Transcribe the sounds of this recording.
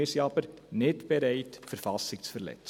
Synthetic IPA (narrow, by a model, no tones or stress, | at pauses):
ɪsjɑːpərnɛtbəɾɛjtfərfɑsiksfərlɛ̰t